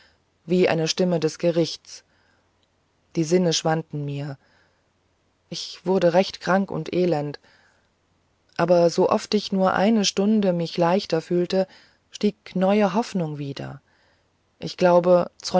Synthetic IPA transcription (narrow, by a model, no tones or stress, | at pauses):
viːʔa̰ɪnəʃtɪmədɛsɡ̥əʁɪçtt͡s | d̥iːzɪnəʃv̥antn̩miːɐ | ʔɪçv̥ʊɐdəʁɛçtkʁ̥aŋkʊ̰ntʔeːlɛnt | ʔaːbɐzoʔɔ̰ftɪçnuːɐʔa̰ɪnəʃtʊndəmɪçlaɪçtɐfyːltə | ʃtiːknɔʏəɦɔfnʊŋviːdɐ̰ | ʔɪçɡ̥laʊbət͡sɔ